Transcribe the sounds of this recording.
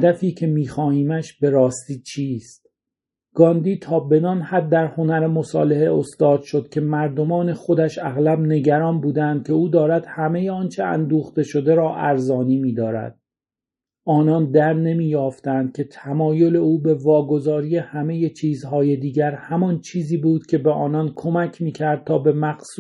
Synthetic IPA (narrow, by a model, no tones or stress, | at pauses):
hæd̪æfiːcʰe̞miːxɒːhiːmæʃbe̞ɾɒːst̪iːt͡ʃʰiːst̪̚ | ɡ̥ɒːnd̪iːt̪ʰɒːbe̞nɒnhæd̪̚ːæɾho̞næɾemo̞sɒ̰ːle̞ɦeo̞st̪ɒːd̪̥ʃo̞d̪̥̚cʲʰe̞mæɾd̪o̞mɒːne̞χo̞d̪æʃæɣlæbne̞ɟæɾɒːnbuːd̪ænd̪̥̚cʲʰe̞uːd̪ɒːɾæd̪̥hæme̞jeɒːnt͡ʃʰe̞æ̰nd̪uːxt̪e̞ʃo̞d̪e̞ɾɒːʔæɾzɒːniːmiːd̪ɒːɾæ̰d̪̥ | ɒːnɒnd̪æɾne̞miːjɒːft̪ænd̪̥̚cʲʰe̞t̪ʰæmɒːjo̞le̞uːbe̞vɒːɡo̞zɒːɾiːe̞hæme̞je̞t͡ʃʰiːzhɒːje̞d̪iːɟæɾhæmɒnt͡ʃʰiːziːbuːd̪̥cʲʰe̞beʔɒːnɒnkʰo̞mæcʰmiːcʰæɾd̪̥̚t̪ʰɒːbe̞mæqs